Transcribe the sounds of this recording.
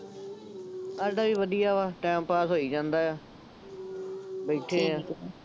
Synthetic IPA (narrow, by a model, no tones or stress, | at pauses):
aɾɖaːʋiːʋəd̪ijaːʋaːʈɛ̃ːmpaːsɦoːiːd͡ʒãːnd̪aːjaː | beːʈʰeːãː